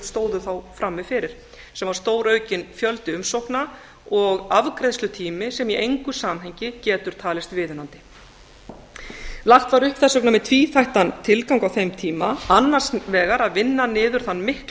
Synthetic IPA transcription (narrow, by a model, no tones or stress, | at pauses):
st̪oːwðʏθawfɾamːɪfɪɾɪɾ̥ | sɛmvaɾ̥st̪oːwɾœːɥcɪnfjœlt̪ɪʏmsowhkna | ɔɣavkɾɛjðslʏt̪ʰiːmɪsɛmiʔejŋkʏsaːmɦejɲcɪcɛːt̪ʏɾ̥t̪ʰaːlɪst̪vɪːðʏnant̪ɪ̥ | laxt̪vaɾʏhpθɛsœknamɛðt̪ʰviːθajht̪ant̪ʰɪlkawŋkawθejmt̪ʰiːmaanːar̥svɛːɣaɾaðvɪnːanɪːðʏɾ̥θanːmɪhkl